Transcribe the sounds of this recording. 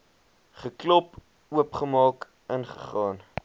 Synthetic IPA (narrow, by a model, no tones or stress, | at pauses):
χəklɔp | uəpχəmɑːk | ənχə̰χɑːn